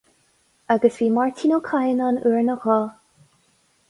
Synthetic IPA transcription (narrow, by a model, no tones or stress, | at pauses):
aɡəsviːmaɹtʰinokʰajənanuɹnəɣɔ